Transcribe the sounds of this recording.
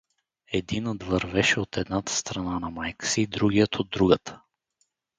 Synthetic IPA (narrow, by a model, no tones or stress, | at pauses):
ɛd̪inəd̪vəɾvɛʃɛot̪ʰɛd̪nat̪ə̥st̪ɾɐnanɐmajkə̥siːd̪ɾuɡijət̪ʰod̪ːɾuɡət̪ə̥